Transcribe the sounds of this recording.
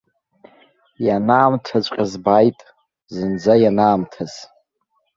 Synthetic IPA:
janaːmtʰat͡ʃʷʼqʲʼazbajtʼ | zɨnd͡zajanaːmtʰaz̥

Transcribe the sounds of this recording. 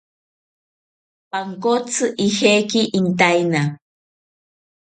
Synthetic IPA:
paŋkot͡sʰɨʔihekiʔint̪̬ajna

